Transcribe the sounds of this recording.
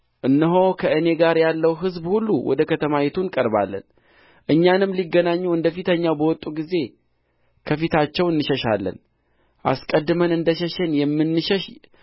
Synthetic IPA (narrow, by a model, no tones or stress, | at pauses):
ʔɨnːɨɦo̞kʰəʔɨne̞ɡaɾjalːəwɦɨzbhulːuwʔɔ̰d̪əkʰət̪ʰəmajɛt̪ʰunkʼəɾba̰lːə̰n | ʔɨɲːanɨmːliɡːənaɲːuɨnd̪əfit̪ʰəɲːawbəwɔt̪ʼːuɡize̞ | kʰəfit̪ʰat͡ʃːɛwɨnːɨʃəʃa̰lːə̰n | ʔa̰skʼəd̪ːɨmənɨnd̪əʃɛʃɛnjɛmːɨnːɨʃɛʃ